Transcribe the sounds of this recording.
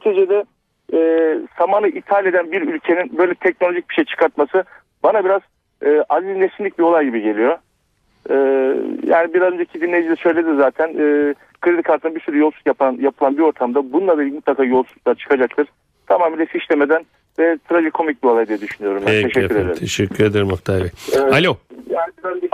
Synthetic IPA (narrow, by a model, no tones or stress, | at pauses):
t̪ʰed͡ʒed̪ɛ | ɛːsamanɯʔit̪ʰalʲe̞d̪ænbiɾylʲcʰe̞ninbø̞jlʲɛt̪ʰɛc̚no̞lʲoʒic̚biʃejit͡ʃʰɯ̥kaɾt̪masɯ | banabiɾaz̥ | ɯːʔaziznesinlʲicbio̞lˠajɟibiɟe̞lʲijo̞ | ɛːja̰ːnibiɾazø̞nd͡ʒeicʰid̪inlʲejd͡ʒilʲɛsø̞jlʲe̞d̪izaːt̪ʰænː | kʰɯɾid̪ikʰalt̪ɯnbiɾsyɾyjo̞lˠsu̥kjapanjapʰɯlˠanbio̞ɾt̪ʰamd̪abununˠad̪elʲimut̪lˠakʰaːjo̞lˠsu̥klˠaɾt͡ʃʰɯ̥kʰad͡ʒak̚t̪ʰɯɾ̥ | t̪ʰamaːmiːlʲɛfiʃlʲeme̞d̪æn | vɛt̪ʰɯɾad͡ʒɯkʰo̞mic̚bio̞lˠajd̪ijed̪yʃynyjo̞ɾumb̪æeʃɛcːyɾe̞d̪eɾʰeʃɛkʰːyɾed̪eɾimakt̪ʰabialʲojaːnibiɾand͡ʒɛ